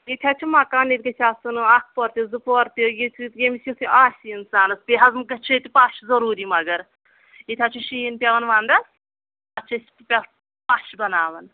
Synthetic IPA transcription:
it̪ʰʲat͡ʃʰumɐkaːnit̪̚ʲɡɐt̪ʲʰaːsunɨak̚ʰpɔɾt̪ʲizɨpɔɾt̪ijit̪ʰjemisjut̪ʰʔaːsʲiinsaːnɐspʲiɦɐzmkɐt͡ʃʰuit̪ʲipaʃzɐɾuːɾimɐɡɐɾ | it̪ʰʲat͡ʃʰuʃiːnpʲɐʋɐnʋaːnd̪ɐs | ɐt͡ʃʰɐsʲppʲɐ | paʃbɐnaːʋɐn

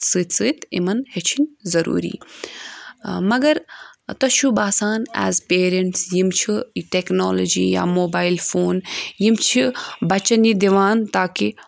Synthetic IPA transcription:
sɨt̪sɨt̪ʰḭmɐnhet͡ʃʰinʲzɐɾṵːɾḭː | mɐɡɐɾt̪ɐʃʰubaːsaːnɛ̰ːzpeːɾeɳʈsjimt͡ʃʰiʈeknoːlod͡ʒḭːja̰ːmoːbaːilfoːnjimt͡ʃʰibɐt͡ʃɐnid̪iʋaːnt̪aːki

